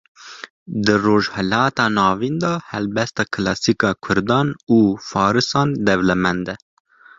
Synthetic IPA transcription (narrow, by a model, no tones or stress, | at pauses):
d̪ɨroːʒhɛlɑːt̪ɑːnɑːvind̪ɑːhɛlbɛst̪ɑːkʰɨlɑːsiːkɑːkʰʊɾd̪ɑːnuːfɑːɾɨsɑːnd̪ɛvlɛmɛnd̪ɛ